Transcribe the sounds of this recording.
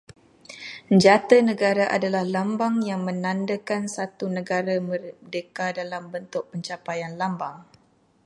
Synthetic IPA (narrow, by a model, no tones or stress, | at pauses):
əɲd͡ʒat̪ənə̃ɡaɾaʔa̰dalahlambaŋjaŋmə̃nãndakansat̪unəɡaɾamərdəkadalambənt̪ʊʔ̚pəɲt͡ʃapajanlambaŋ